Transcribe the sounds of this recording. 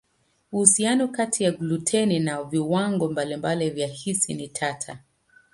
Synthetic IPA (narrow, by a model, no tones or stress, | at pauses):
uhusianɔkatʰijaɡlutʰɛninaviwaŋɡɔmbalimbalivjahisinitʰatʰa